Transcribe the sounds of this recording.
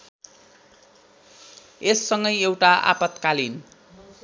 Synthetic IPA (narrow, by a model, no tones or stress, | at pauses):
esːʌŋɡʌjewʈaʔa̰pʌt̪kalin